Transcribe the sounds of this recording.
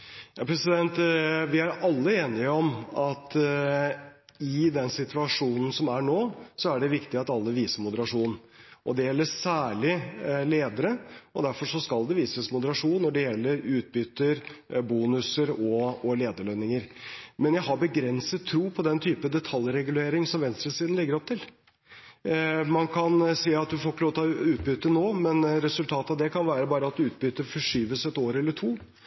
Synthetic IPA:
jɑːpʰɾɛsɪd̪ɛnt̪ʋɪæɾɑlːəeːnɪəɔmɑt̪ | ɪd̪ɛnsɪt̪ʰʉɑʂuːnn̩sɔmæɳoːsɔæɖɛʋɪkt̪ɪɑt̪ɑlːəʋiːsəɾmʊd̪əɾɑʂuːn | ʔɔd̪ɛjɛlːəsæːɭɪleːd̪əɾəɔd̪æɾfɔʂɔskɑlˠd̪ɛʋiːsəsmʊd̪əɾɑʂuːnnːɔɖɛjɛlːəɾʉːt̪̚bʏt̪ːəɾbuːnʉsəɾɔɔleːd̪əɭœnɪŋəɾmɛnjæɪɦɑɾbəɡɾɛnsət̪ʰːɾuːpʰɔd̪ɛnt̪ʰyːpəd̪ɛt̪ʰɑljɾɛɡʉleːɾɪŋsɔmʋɛnst̪ɾəsiːd̪n̩lɪɡəɾɔpt̪ɪl | mɑnkʰɑnsiːɑt̪̚d̪ʉfoːkəloːt̪ɑʉːt̪̚bʏt̪ːənoːmɛnɾɛsʉlt̪ʰɑːt̪ɑʋd̪ɛkʰɑnʋæːɾəbɑːɾəɑt̪d̪ʉːt̪̚bʏt̪ːəɾfɔʂyːʋəsɛt̪oːɾɛlːəʈʰuː

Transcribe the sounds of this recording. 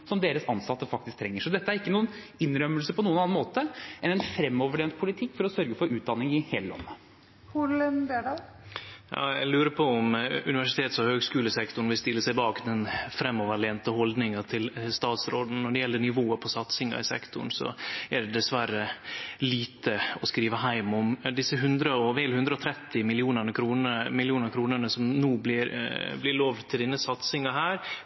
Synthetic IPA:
sɔmd̪eːɾəsɑnsɑt̪ːəfɑk̚t̪ɪsk̚t̪ʰɾɛŋːəʂɔd̪ɛt̪ːəæɾɪkːənuːənɪnːɾœmːəlsəpʰɔnuːənɑnɑnmoːt̪əʔɛnɛnfɾɛmːɔʋəɭeːnt̪̚pʰʊlɪt̪ʰɪkːfɔɾɔsœɾɡəfɔɾʉːt̪̚d̪ɑnːɪŋɪheːləɔ̰mːə | ʊlɛnb̪eɖɑ | jɑ̰ːɛlʉːɾəpʰɔɔmʉ̰ɪʋæʂɪt̪ʰeːt̪sɔhøːɡskʉːləsɛkt̪ʊɳ̩ʋɪst̪ɪlːəsɛɪbɑːkd̪ɛnfɾɛmːɔʋəɭɛːnt̪əhɔld̪nɪŋɑt̪ʰɪlst̪ɑːt̪sɾoːd̪n̩nːɔɖɛjɛlːəɳɪʋoːəpʰɔsɑt̪sɪŋɑ̰ɪsɛ̰kt̪ʊ̰ɳsɔ̰æɖɛd̪ɛsʋæɾːəliːt̪əɔskɾiːʋəɦæɪmɔmd̪ɪsːəɦʉnd̪ɾəɔʋeːlhʉnd̪ɾəɔt̪ʰɾɛt̪ːɪmɪlɪuːnənəkʰɾuːnəmɪlɪuːnəɾkʰɾuːnəɳəsɔmnuːb̪ɪɾblɪɭoːʋt̪ʰɪld̪ɪnːəsɑt̪sɪŋɑɦæːɾ

